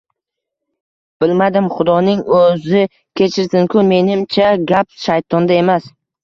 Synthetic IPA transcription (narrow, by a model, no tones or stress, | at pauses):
b̥ɪlmad̪ɪmχʊd̪ɒnɪŋɵzɪ | kʲʰe̞t͡ʃʰɪɾsɪŋkʰʊnme̞nɪmt͡ʃʰaɡʲapʃajt̪ʰɒnd̪ae̞mas